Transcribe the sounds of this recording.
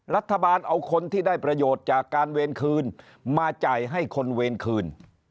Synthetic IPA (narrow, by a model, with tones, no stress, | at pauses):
ɾa˦˥t̪ʰːa˧baː˧nʔa˧wkʰo˧nt̪ʰiː˥˩daː˥˩jpɾa˧joː˨˩t̪̚t͡ɕaː˨˩kːaː˧nweː˧nkʰɯː˧n | maː˧t͡ɕa˨˩jɦa˥˩jkʰo˧nweː˧nkʰɯː˧n